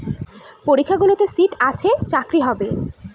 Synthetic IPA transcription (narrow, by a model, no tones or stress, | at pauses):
poɾikʰːaɡulot̪esiʈat͡ɕʰet͡ɕakɾiɦɔbe